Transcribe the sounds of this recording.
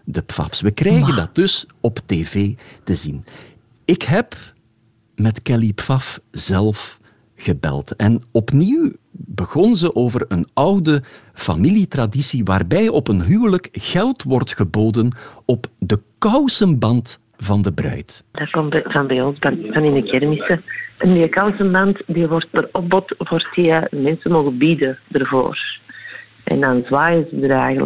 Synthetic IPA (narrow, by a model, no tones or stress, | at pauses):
dəpfɑ̰fsʋəkrɛjɣəndɑd̚d̥ɵsɔpteːveːtəzin | ɪkɦɛp | mɛtkɛlipfɑfz̥ɛlˠf | ɣəbɛ̰lˠtɛnɔpniwbəɣɔnzəʔoːvərənɑwdə | fa̰militradisiʋaːrbɛjʔɔpənɦyːwləkɣɛlˠtʋɔrtxəboːdənɔpdəkɑwsənbɑnt | vɑndəbrœ̰ɥtd̥akɔmvɑnbɛjɔnzbanvɑnɪndəkɛrmisəəndikɑwsənbɑntdiʋɔrt̚bəɾɔbɔtfɔrtiəmɛnsəmoːɣəbidədərvo̰ːr | ʔɛ̰ndɑnzwaːjəzədəɾɛjɣələ